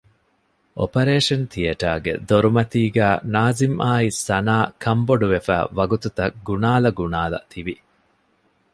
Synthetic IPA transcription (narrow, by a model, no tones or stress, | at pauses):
ʔo̰pɐɾeːʂɐnt̪iɐʈaːɡḛd̪oɾumɐt̪iːɡæːnaːzimʔaːisːɐnaːkʰɐmboɖuʋefæ̰ːʋɐɡut̪ut̪ɐɡunaːlɐɡunaːlɐ̰t̪ʰiʋi